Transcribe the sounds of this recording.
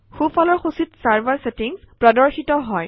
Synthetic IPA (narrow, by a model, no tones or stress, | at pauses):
xufʰɔlɔɹxusitsaɹbaɹsetiŋspɹadɔɹxitɔɦɔj